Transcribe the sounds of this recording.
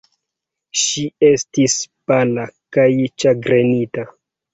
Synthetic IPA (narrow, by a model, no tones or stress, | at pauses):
ʃie̞stispalakajt͡ʃaɡɾenita